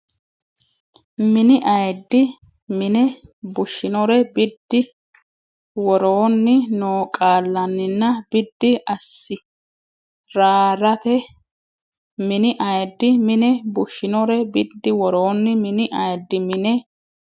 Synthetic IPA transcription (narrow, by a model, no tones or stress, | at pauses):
mɪnɪʔɐjd̪ːɪ | mɪnɛbʊʃːɪnɔɾɛbɪd̪ːɪ | wɔɾoːnːɪnoːkʼaːlːɐnːɪnːɐbɪd̪ːɪɐsːɪ | ɾaːɾɐt̪ɛ | mɪnɪʔɐjd̪ːɪmɪnɛbʊʃːɪnɔɾɛbɪd̪ːɪwɔɾoːnːɪmɪnɪʔɐjd̪ːɪmɪnɛ